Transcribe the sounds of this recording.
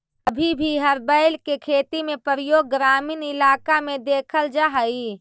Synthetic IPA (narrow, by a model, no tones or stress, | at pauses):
əbʱibʱiɦəɾbəɪlkekʰeːt̪imẽpəɾjoːɡːɾaːminɪlaːkamẽd̪eːkʰəld͡ʒaɦəi